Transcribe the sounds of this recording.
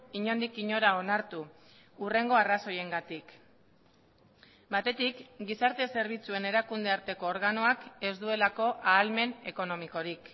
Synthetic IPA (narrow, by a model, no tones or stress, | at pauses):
iɲo̞nd̪ikiɲo̞ɾao̞naɾt̪uː | re̞ŋɡo̞araso̞je̞ŋɡat̪ik | bat̪e̞t̪ikɡisaɾt̪e̞se̞ɾβ̞it͡sue̞ne̞ɾakund̪e̞aɾt̪e̞ko̞ːɾɣano̞ake̞zd̪ue̞lako̞ʔaːlme̞ne̞ko̞no̞miko̞ɾik